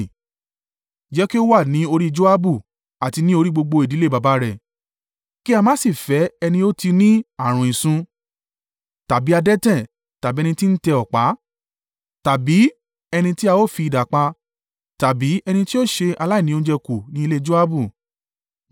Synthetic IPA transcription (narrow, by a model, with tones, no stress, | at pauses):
d͡ʒɛ˨˦ki˦o˦wa˦˨nĩ˨˦o˧ɾi˦d͡ʒo˦a˦bu˦˨ | a˨ti˧nĩ˦o˧ɾi˦ɡ͡bo˧ɡ͡bo˧i˨di˨˦le˦ba˨˧ba˨˦ɾɛ˦˨ | ki˦a˧mã˦si˦˨fɛ˨˦ɛ˧nĩ˧o˦ti˧nĩ˦a˦˨ɾ̃ũ˨ĩ˨sũ˧ | ta˨bi˨˦a˧dɛ˦tɛ̃˦˨ | ta˨bi˦ɛ˧nĩ˧ti˦n̩˦tɛ˧ɔ˨k͡pa˨˦ | ta˨bi˨˦ | ɛ˧nĩ˧ti˦a˧o˦˨fi˧i˧da˨k͡pa˧ | ta˨bi˨˦ɛ˧nĩ˧ti˦o˦˨ʃe˧ʔa˧la˦i˦˨nĩ˨˦õ˦d͡ʒɛ˧ku˨nĩ˦i˧le˦˧d͡ʒo˦a˦bu˦˨